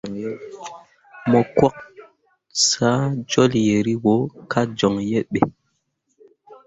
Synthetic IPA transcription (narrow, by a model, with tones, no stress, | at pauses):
mɔ˨kwa˦k̚ | sa˦d͡ʒɔ˦lje˨ɾi˦wo˨˦kʰa˦d͡ʒɔ˨ŋje˦ɓe˨